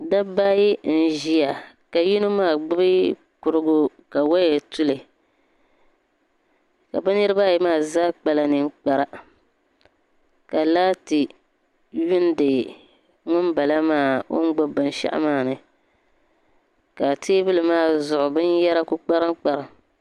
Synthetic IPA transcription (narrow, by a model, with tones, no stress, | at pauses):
da˦ba˦ji˦n̩˨ʒi˦a˨ | ka˨ji˦nu˦maː˦˨ɡ͡bʊ˦bɨ˦ | kʊ˨ɾɨ˦ɡʊ˦ | ka˨wa˦jɛ˨tu˦lɨ˨ | ka̰˨ba˦nɨ˦ɾɨ˦ba˦jɛ˨maː˦˨zaː˦k͡pa˨la˨nɨ˨ŋ˦k͡pa˨ɾa˨ | ka˨laː˦tɨ˨ | ɥɪ˦n˦dɨ˨ | ŋʊ˦nba˨la˦maː˦˨o̰˦n̩˦ɡ͡bo˦bɨ˨n˦ʃa̰˦ʔɪ̰˦maː˦˨nɨ˨ | ka˨tʰeː˦bɨ˦lɨ˨maː˦˨zʊ˨ʔʊ˨bɨ˦njɛ˦ɾa˦ku˦k͡pa˦ɾɨ˦ŋ˦k͡pa˨ɾa˨